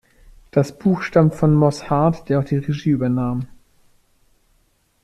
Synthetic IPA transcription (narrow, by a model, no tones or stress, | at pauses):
d̥asb̥uːxʃtamtfɔnmɔshaɐtd̥eːɐaʊxd̥iːʁeʒiːyːbɐnaːm